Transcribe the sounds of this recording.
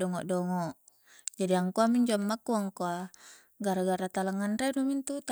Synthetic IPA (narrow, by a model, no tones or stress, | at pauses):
ɔŋɔ̰ʔdɔŋɔʔ | d͡ʒadiaŋkoamiɲd͡ʒoamːakːuaŋkoa | ɡaɾaɡaɾat̪alaŋːanɾedomint̪ut̪